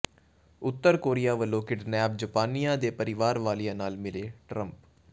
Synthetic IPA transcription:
ʊt̪ːəɾkoːɾijaːʋəlːõːkɪʈnɛːb̚d͡ʒəpaːnijãːd̪eːpəɾɪʋaːɾʋaːlijãːnaːlmɪleːʈɾəmp

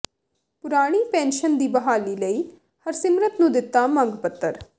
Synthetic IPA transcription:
pʊɾaːɽ̃iːpɛ̃ːnʃənd̪iːbəɦaːliːləiː | həɾsɪmɾət̪nũːd̪ɪt̪ːaːmə̃ŋɡpət̪ːəɾ

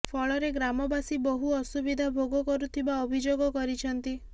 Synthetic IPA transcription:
pʰɔɭɔɾeɡɾamɔbasibɔɦuɔsubid̪ʱabʱoɡɔkɔɾut̪ʰibaɔbʱid͡ʒoɡɔkɔɾit͡ʃʰɔnt̪i

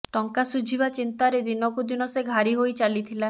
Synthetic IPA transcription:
ʈɔŋkasud͡ʒʱiβat͡ʃint̪aɾed̪inɔkud̪inɔseɡʱaɾiɦojt͡ʃalit̪ʰila

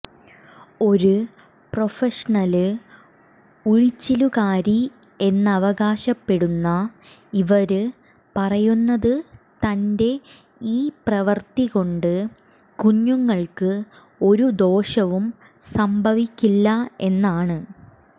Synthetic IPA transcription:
o̞ɾu | pro̞feʂɐɳɐlɨ | uɻit͡ɕːilukaːɾi | e̞nːɐʋɐɣaːɕɐpːe̞ɽunːɐ | iʋɐɾɨ | pɐrɐjunːɐðɨt̪ɐnde̞ | iːprɐʋɐrt̪iɣo̞ɳɖɨ | kuɲːuŋːɐɭkɨ | o̞ɾud̪o̞ːɕɐʋum | sɐmbʱɐʋikʲːilːɐe̞nːaːɳɨ

